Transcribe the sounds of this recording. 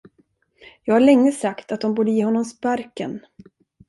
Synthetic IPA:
jɑːɡhaɭɛŋːəsakt̪at̪̚d̪ɔmbuːɖəjeːɦɔnːɔmspaɾkə̰n

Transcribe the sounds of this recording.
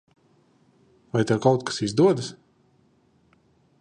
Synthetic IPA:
vajt̪awkawt̪kḁsizd̪uɔd̪ɨs

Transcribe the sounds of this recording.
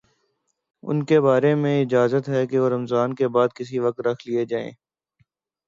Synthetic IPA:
ʊ̰nkebaːɾemẽɪd͡ʒaːzət̪ɦɛkeʋoɾɐmzaːnkebaːd̪̚kɪs̬iʋɐk̚t̪ɾɐkʰlied͡ʒaːḛ̃ː

